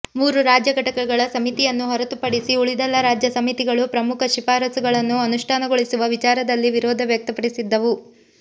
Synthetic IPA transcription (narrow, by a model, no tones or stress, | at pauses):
muːɾuɾaːd͡ʒjɐɡɐʈɐkɐɡɐɭɐsɐmit̪ijɐnːuɦɔɾɐt̪upɐɽisiuɭid̪ɐlːɐɾaːd͡ʒjɐsɐmit̪iɡɐɭupɾɐmukʰɐʃipaːɾɐsuɡɐɭɐnːuɐnuʂʈʰaːnɐɡoɭisuʋɐʋit͡ʃaːɾɐd̪ɐlːiʋiɾɔːd̪ʱɐʋjɐk̚t̪ɐpɐɽisid̪ːɐʋu